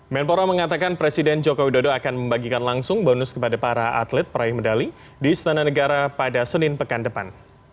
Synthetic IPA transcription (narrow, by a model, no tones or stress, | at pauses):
mɛnpoɾaməŋat̪akanpɾesidɛnd͡ʒokowidodoakanməmbaɡikanlaŋsʊŋbɔnʊskəpadapaɾaʔa̰t̪lɛt̪̚pəɾajɪhmədali | dist̪ananəɡaɾapadasənɪnpəkandəpan